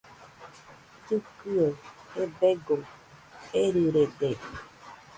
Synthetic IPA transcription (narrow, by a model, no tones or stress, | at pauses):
tukɨəebeɡo | eɾiɾede